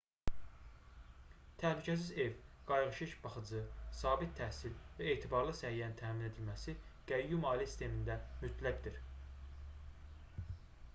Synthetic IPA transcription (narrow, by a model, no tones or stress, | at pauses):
t̪ʰæhlycʰæs̬ize̞vɡ̥ɑjʁɯʃiʃb̥ɑχɯd͡ʒɯsɑːbit̪̚t̪ʰːæhsilvæeːt̪ʰibɑɾlˠɯsæhijænint̪ʰæmine̞d̪ilmæsiɡ̥æjːumɑːlisi̥st̪ʰe̞mind̪æmyt̪ʰlæɟd̪iɾ